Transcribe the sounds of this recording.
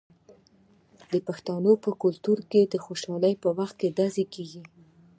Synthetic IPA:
d̪əpaxt̪ɑnopəkʊlt̪uɾked̪əxoʃɑləjpəwaxt̪̚ked̪azekeɡi

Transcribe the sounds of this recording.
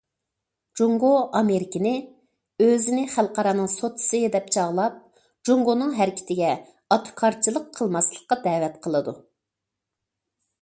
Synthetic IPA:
d͡ʒoŋɡoʔɑmeɾɪkʲɪnɪ | øzɪnɪχælˠqɑɾɑnɨŋsot̪ʰɨ̥sɨd̪ɛp̚t͡ʃʰɑʁlˠɑp̚ | d͡ʒoŋɡonɨŋɦæɾɪkʲʰɪ̥t̪ʰɪɡʲɛ | ɑt̪ʰu̥kʰɑɾt͡ʃʰilˠəqʰːəlˠmɑslˠə̥qːɑd̪ɛːwɛt̪qʰəlˠɨd̪u

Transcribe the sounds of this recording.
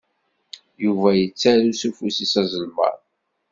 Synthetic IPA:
juvæjət͡sːæɾusufusisæzˤəlmə̰ɾˤ

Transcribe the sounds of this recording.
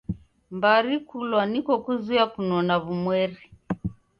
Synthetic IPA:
mbaɾikulwanikɔkuziakunɔnaβumwɛɾi

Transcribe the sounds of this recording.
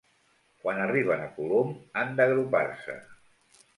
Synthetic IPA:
kwanəriβ̞ənəkulomand̪əɣɾupa̰rsə̰

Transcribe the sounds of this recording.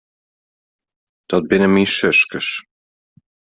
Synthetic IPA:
t̪ɑt̪̚benɘ̆miʃɘ̆ʃkɘ̆ʃ

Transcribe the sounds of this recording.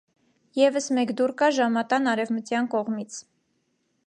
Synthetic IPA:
jɛvəsmɛkd̪uɾkɑʒɑmɑt̪ɑnɑɾɛvmət͡sjɑnkɔʁmit͡sʰ

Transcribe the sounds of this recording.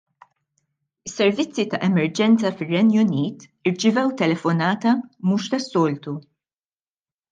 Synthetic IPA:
ɪsːɛɾvɪt͡sːit̪ɐʔɛmɛɾd͡ʒɛnt͡sɐfɪrːɛnjʊniːt̪ | ɪɾt͡ʃɪvɛwt̪ɛlɛfɔnɐːt̪ɐmuːʃt̪ɐsːɔːlt̪u

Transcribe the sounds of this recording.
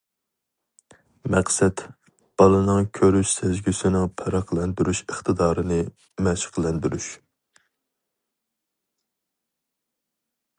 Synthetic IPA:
mɛqsɛt̪ | b̥ɑlˠɨnɨŋkʲʰøɾyʃsʰɛzɡʲysɪnɪŋpʰɑɾɑqʰlˠɛnd̪yɾyʃəχt̪ʰɨd̪ɑːɾɨnɨ | mɛʃqʰəlˠɛnd̪yɾyʃ

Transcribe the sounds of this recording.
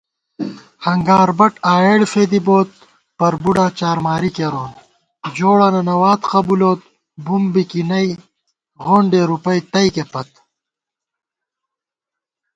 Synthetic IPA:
hɐŋɡaːɾbɐʈaːeːɽfeːd̪iboːt̪̚ | pɐɾbuɖaːt͡ɕaːɾmaːɾikeɾoːn | d͡ʑoːɽaːnɐnɐwaːt̪qɐbuloːt̪̚ | bumbikinɐi | ɣoːɳɖeːɾupɐjt̪ɐjkepɐt̪

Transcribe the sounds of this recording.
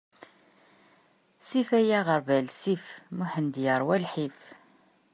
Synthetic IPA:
sifæjæʁəɾˤvælsifmuħənd̪jəɾˤwælħif

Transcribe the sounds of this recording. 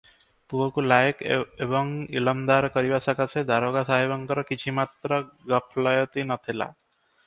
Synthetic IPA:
puɦɔkulajkebɔŋḭlɔmd̪aɾkɔɾibasakasʰed̪ʱaɾoɡasaɦebɔŋkɔɾɔkit͡ʃʰimat̪ɾɔɡɔpʰlɔjɔt̪inɔt̪ʰila̰

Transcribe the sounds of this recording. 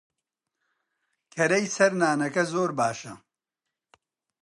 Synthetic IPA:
kʰɐɾɐjsɐɾnaːnɐkɐzoːɾbaːʃɐ

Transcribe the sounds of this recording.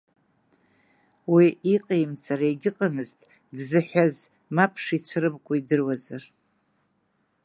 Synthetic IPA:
wiiqʼejmt͡sʰʼaɾaeɡʲɪqʼamɨztʼ | dzɨħaz | mapʰʂit͡ʃʷʰɾɨbkʷʼaidɨrwazar

